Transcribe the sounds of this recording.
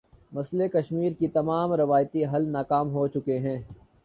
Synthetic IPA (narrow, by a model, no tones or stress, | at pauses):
mɐslekɐʃmiːɾkit̪ɐmaːmɾɪʋaːjt̪iɦɐlnaːkaːmɦot͡ʃʊkeɦɛ̃ː